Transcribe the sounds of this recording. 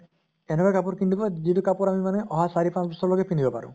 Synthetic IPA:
enɔɡakapuɾkiɳɖukɔd͡ʒit̪ukapuɾamimaneʔɔɦasaɾipãsbɔsɔɾlɔɡepʰind̪ibɔpa̰ɾṵ

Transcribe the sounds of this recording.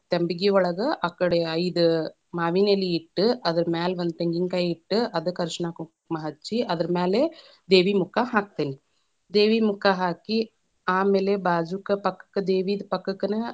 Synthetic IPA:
t̪embiɡiʋɔɭɐɡɐʔɐkːɐɽeɐjd̪ɨ | maːʋiːneliːʈːɨʔɐd̪ɐɾmaːlʋɐnd̪̚t̪eŋɡiŋkajiʈːɨʔɐd̪ɨkɐɾʂɳaːku | mɐɦɐt͡ʃːiɐd̪ɐɾmaːle | d̪eːʋimukːaɦaːk̚t̪eːni | d̪eːʋiːmukːaɦaːki | aːmeːlebaːd͡ʒukɐpɐkːɐ̥kːɐd̪eːʋiːd̪pɐkːɐkːɐnɨ

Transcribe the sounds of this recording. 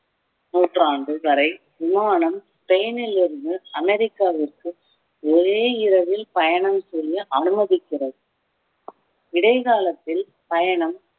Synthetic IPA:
nuːʈraːɳɖɯʋɐɾɐɪ | ʋɪmaːɳɐmspɛjɐnɪlɪɾðɯɐmɛɾɪkːaːʋɪrkɯ | ɔɾeːɪɾɐʋɪlpɐjɐɳɐmsɛjjɐʔɐnɯmɐðɪkːɪrɐðɯ | ɪɽɐɪɣaːlɐt̪ːɪl | pɐjɐɳɐm

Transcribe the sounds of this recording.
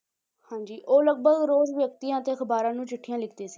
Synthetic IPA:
hãːd͡ʒiːʔoːləɡ̚bəɡɾoːzʋjək̚t̪ijãːət̪eːəkʰəbaːɾãːnũːt͡ʃɪʈʰːijãːlɪkʰd̪eːsiː

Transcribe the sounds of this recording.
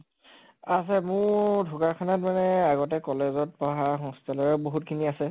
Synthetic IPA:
as̬ɛmʊdʱʊkakʰanatmanɛaɡɔtɛkɔlezɔt̚pɔɦaxɔŋstʰalɔɹɛboɦutkʰiniasɛ

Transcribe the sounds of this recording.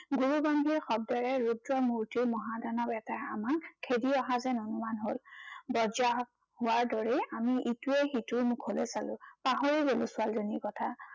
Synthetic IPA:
ɡuɹubambʱiɹxɔb̚dɔɹɛɹudɹɔmuɹtiɹmɔɦadanɔbɛtaɹa̰makkʰːediɔɦazɛnɔnumanɦolbɔza | hʊwaɹdɔɹeamiʔituɛxituɹmʊkʰholɛsalʊ̃paɦoɹiɡolʊ̃sʊalzoniɹkɔtʰa

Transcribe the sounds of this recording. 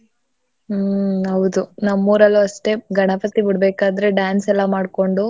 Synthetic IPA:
ɦɐʋud̪unɐmːuːɾɐlːuɐʂʈe̞ɡɐɳɐpɐt̪ibiɽbeːkaːd̪ɾe̞ɖaːnsɛlːɐmaːɖko̞ɳɖu

